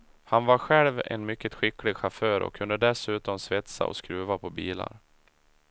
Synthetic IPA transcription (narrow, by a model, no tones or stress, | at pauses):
hanvaɾɧɛlvɛ̰nmʏkːət̪ɧɪkːlɪɡɧaføːɾɔ̰kʰːɵnd̪əd̪ɛsʉ̟ːt̪ɔmsvɛt̪sa̰ʔɔ̰skɾʉ̟ːvapʰɔbiːla̰ɾ